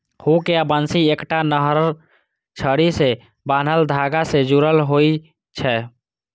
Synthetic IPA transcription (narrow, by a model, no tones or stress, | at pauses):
hukeabənsiekʈanəɦɾə | t͡ʃʰəɽise | baːn̤əld̪ʱaɡased͡ʒuɾəlɦoi | t͡ʃʰɛ